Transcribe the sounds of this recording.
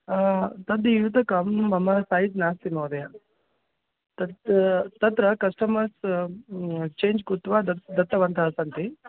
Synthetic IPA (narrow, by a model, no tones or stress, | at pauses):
t̪ɐd̪ijut̪ɐkɐmːɐmɐsaːɦit̪naːst̪inoːd̪ɐjɐ | t̪ɐt̪ɐt̪ɾɐkɐsʈɐmɐɾs | t͡ʃeːnd͡ʒkut̪ʋaːd̪ɐd̪ɐt̪ːɐʋɐnt̪ɐɦɐsɐnt̪i